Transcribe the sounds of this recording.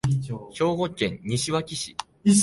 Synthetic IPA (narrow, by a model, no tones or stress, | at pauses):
ɕo̞ːɡo̞kẽ̞ɲɲːiɕiβakʲiɕḭ